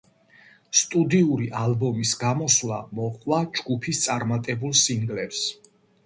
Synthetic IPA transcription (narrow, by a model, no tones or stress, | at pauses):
st̪ʼud̪iuɾiʔalbɔmisɡamɔsla̰mɔqʼwad͡ʒɡupʰist̪sʼaɾmat̪ʼɛbulˠsiŋɡlɛps